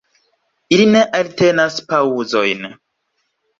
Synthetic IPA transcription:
iline̞ʔalte̞naspauzo̞jn

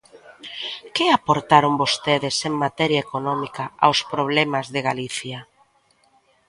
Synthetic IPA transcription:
kɪapoɾt̪aɾombost̪eðɪseŋmat̪ɛɾjaekonɔmikaa̰wspɾoβ̞lɛmazðeɣaliθja

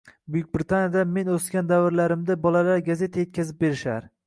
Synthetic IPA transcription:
bʊjʊk̚ʲbɾɪt̪ʰanjad̪ame̞noskʲand̪avɪɾlaɾɪmd̪abɒlalaɾɡaze̞t̪ʰaje̞t̪kʰʲazɪp̚be̞ɾɪʃaɾ

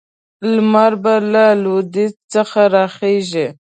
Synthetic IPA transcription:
lmaɾbalalod̪it͡st͡səxaɾɑxeʒi

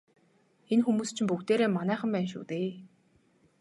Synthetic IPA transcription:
enxumuːst͡ɕʰɪ̆mpukt̪eːɾeːmanæːχə̆mpæːnʃṵːt̪eː

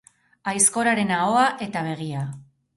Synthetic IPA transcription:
ajsko̞ɾaɾe̞nao̞aʔe̞t̪aβ̞e̞ɣ̞ia

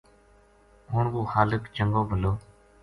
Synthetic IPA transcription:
ɦʊːɳkuːxaːləkt͡ʃəŋɡoːbʱəloː

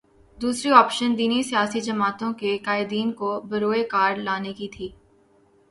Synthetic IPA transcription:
d̪uːsɾiɔːpʃənd̪iːnisijaːsid͡ʒɐmaːt̪õkekaːɪd̪iːnkobɐɾoːekaːɾlaːnekit̪ʰiː

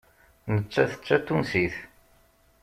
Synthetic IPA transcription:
nət͡ʃːæθə̥t͡ʃːæt̪ːunsiθ

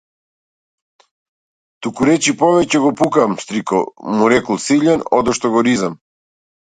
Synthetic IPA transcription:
t̪ukuɾɛt͡ʃipɔvɛcɛɡɔpukamst̪ɾikɔ̰muɾɛkɔlˠsiʎɛnɔ̰d̪ɔʃt̪ɔɡɔɾizam

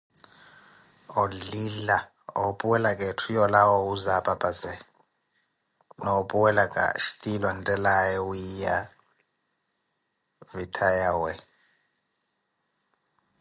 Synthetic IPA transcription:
ɔlila | ɔpʼuwɛlakʼɛtʰujɔlawɔuzapʼapʼazɛ | nɔpʼuwɛlakʼa̰ʃi̥tʼilwantʼɛlajɛujija | vitʰajawɛ

